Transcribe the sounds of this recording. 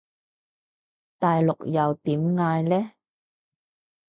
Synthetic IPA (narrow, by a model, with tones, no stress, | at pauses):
t̪aː˨jlʊ˨k̚jɐ˨wt̪iː˨˥mŋaː˧jlɛː˥